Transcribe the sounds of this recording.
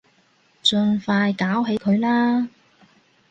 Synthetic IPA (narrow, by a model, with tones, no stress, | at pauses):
t͡ʃɵ˧nfaː˧jkaː˨˥wɦe˨˥jkʰɵ˨˧ɥlaː˥